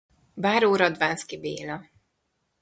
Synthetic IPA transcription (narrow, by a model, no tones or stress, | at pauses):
baːɾoːɾɒd̪vaːnskibeːlɒ